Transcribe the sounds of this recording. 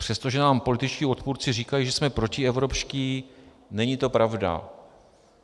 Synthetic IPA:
pr̝̥ɛst̪o̞ʒɛnaːmpolɪt̪ɪt͡ʃciːo̞t̪puːɾt͡sɪriːkajiʒɛsmɛpɾo̞cɪɛvɾo̞pʃciː | nɛɲit̪o̞pɾavda̰

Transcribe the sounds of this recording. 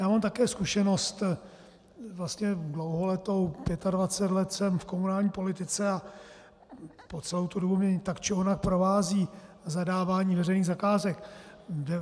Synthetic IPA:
jaːmaːmt̪akɛːskuʃɛno̞st̪ | vlast̪ɲɛɡlowɦolɛt̪o̞wpjɛt̪advat͡sɛt̪lɛt̪sɛmfko̞munaːlɲiːpo̞lɪt̪ɪt͡sɛa | pot͡sɛlowt̪udobumɛt̪akt͡ʃɪonak̚pɾo̞vaːziː | zadaːvaːɲiːvɛrɛjniːɣzakaːzɛkdɛ

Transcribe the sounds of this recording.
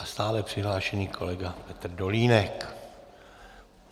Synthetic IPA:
ʔast̪aːlɛpr̝̥ɪɦlaːʃɛɲiːkʰo̞̰lɛɡapɛt̪r̩do̞liːnɛk

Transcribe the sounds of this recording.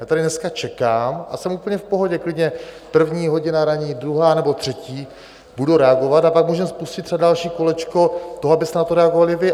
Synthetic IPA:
jaːt̪adɪnɛskat͡ʃɛkaːmʔa̰sɛmupl̩ɲɛfpoɦo̞ɟɛklɪdɲɛ | pr̩vɲiːɦo̞ɟɪnaɾaɲiːd̪ɾuɦaːnɛbo̞t̪r̥ɛciː | b̥uduɾɛaɡo̞vat̪apak̚muːʒɛmspuscɪt̪rɛbadalʃiːkolɛt͡ʃkot̪o̞ɦoabɪst̪ɛnat̪oɾɛaɡovalɪvɪ

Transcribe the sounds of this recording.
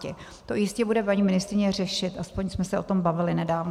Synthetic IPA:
ɛ | t̪o̞jɪscɛbudɛpaɲimɪnɪst̪ɾɪɲɛr̝ɛʃɪt̪ʔaspo̞ɲsmɛsɛʔo̞t̪o̞mbavɪlɪnɛdaːvn

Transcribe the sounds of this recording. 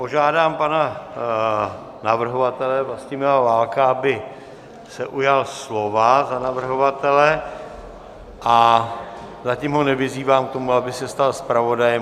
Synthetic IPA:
po̞ʒaːdaːmpana | navr̩ɦo̞vat̪ɛlɛvlascɪmɛavaːlkaabɪ | sɛʔujalslo̞vazanavr̩ɦovat̪ɛlɛ | ʔa | zacɪmɦo̞nɛvɪziːvaːmkt̪o̞muabɪsɛst̪alspɾavo̞dajɛm

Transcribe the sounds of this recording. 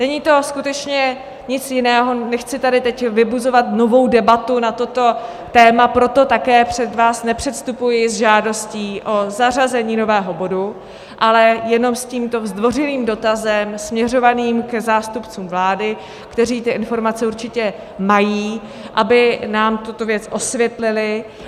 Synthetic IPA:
nɛɲiːt̪o̞skut̪ɛt͡ʃɲɛ | ɲɪt͡sjɪnɛːɦo̞nɛxt͡sɪt̪adɪt̪ɛcvɪbuzo̞vat̪no̞vo̞wdɛbat̪unat̪ot̪o̞ | t̪ɛːmapɾo̞t̪o̞t̪akɛːpr̝̥ɛd̪vaːsnɛpr̝̥ɛt̪st̪upujɪzʒaːdo̞sciːʔo̞zar̝azɛɲiːno̞vɛːɦobo̞du | ʔalɛjɛno̞msciːmt̪o̞vzd̪vo̞rɪliːmdo̞t̪azɛmsmɲɛr̝o̞vaniːmkɛzaːst̪upt͡suːmvlaːdɪ | kt̪ɛriːt̪ɪʔɪnfo̞ɾmat͡sɛuɾt͡ʃɪcɛ | majiː | ʔabɪnaːmt̪ut̪o̞vjɛt͡sʔo̞svjɛt̪lɪlɪ

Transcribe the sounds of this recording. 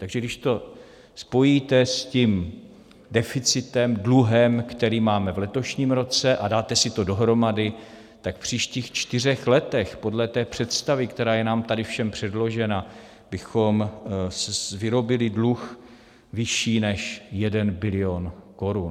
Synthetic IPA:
t̪aɡʒɛɡdɪʃt̪o̞ | spo̞jit̪ɛscim | dɛfɪt͡sɪt̪ɛmdluɦɛmkt̪ɛɾiːmaːmɛvlɛt̪o̞ʃɲiːmɾo̞t͡sɛʔadaːt̪ɛsɪt̪o̞do̞ɦɾo̞madɪ | t̪akfpr̝̥iːʃciːxt͡ʃt̪ɪr̝ɛxlɛt̪ɛxpo̞dlɛt̪ɛːpr̝̥ɛt̪st̪avɪkt̪ɛɾaːjɛnaːmt̪adɪfʃɛmpr̝̥ɛdlo̞ʒɛna | bɪxo̞msvɪɾo̞bɪlɪdlux | vɪʃiːnɛʃjɛdɛnbɪlɪo̞nko̞ɾun

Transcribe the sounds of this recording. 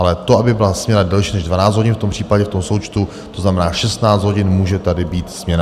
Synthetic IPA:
ʔalɛt̪o̞abɪbɪlasmɲɛɾadɛlʃiːnɛʒdvanaːt͡sd͡z̪ɦo̞ɟɪnft̪ompr̝̥iːpaɟɛft̪o̞mso̞wt͡ʃt̪u | t̪oznamɛnaːʃɛst̪naːt͡sd̪ɦoɟɪnmuːʒɛt̪adɪbiːt̪smɲɛna

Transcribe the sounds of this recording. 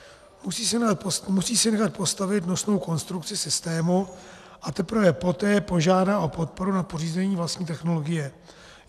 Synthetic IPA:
msiːsmusiːsɪnɛxat̪̚po̞st̪avɪt̪no̞sno̞wko̞nst̪ɾuk̚t͡sɪsɪst̪ɛːmu | ʔat̪ɛpɾvɛpo̞t̪ɛːpo̞ʒaːdao̞po̞t̪̚po̞ɾunapo̞riːzɛɲiːvlast̪ɲiːt̪ɛxno̞lo̞ɡɪjɛ

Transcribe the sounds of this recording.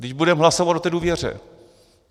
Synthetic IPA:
dɪʒbudɛmɦlasovat̪ʔot̪ɛːduːvjɛr̝ɛ̰

